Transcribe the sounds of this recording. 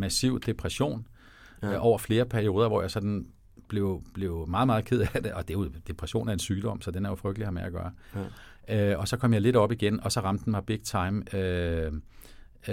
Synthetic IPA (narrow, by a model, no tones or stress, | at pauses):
mæsiʊ̰d̥e̝pʰʁɛɕo̝̰ːn | ʔɒʊ̰ɐfle̝ːɐpʰæɐio̝ːð̞ˠɐʋɒ̰jɑ̈ɪsɒ̽d̥n̩ | b̥le̝ʊb̥le̝ʊmɑ̈ːð̩ˠmɑð̩ˠkʰe̝ð̞̰ˠæd̥e̝ʔɒ̽d̥e̝jo̝d̥e̝pʰʁæɕo̝̰ːnæe̝nsyːd̥ɒ̽m̰sɒ̽d̥enæɐjo̝fʁœɡ̥d̥lihɑ̈meæɡ̥ɶ̰ːɐ | ɒ̽sɒ̽kʰɒ̽m̰jɑɪle̝dɒ̽b̥iɡ̥enɒ̽sɒ̽ʁɑ̈md̥n̩mɑ̈b̥eɡ̥̚t͡sʰɑ̈ɪmø